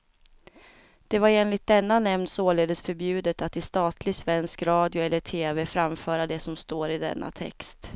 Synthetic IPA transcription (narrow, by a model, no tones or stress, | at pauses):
d̪̥ɛvaɾeːnlɪt̪̚d̪ɛnːanɛmnsoːleːd̪əsfœɾbjʉ̟ːd̪ət̪at̪ɪst̪ɑːt̪lɪɡsvɛnskɾɑːd̪jʊɛlːəʈʰeːvɛfɾamfœːɾad̪ɛsɔmst̪oːɾɪd̪ɛ̰nːʔa̰t̪ʰɛ̰kst̪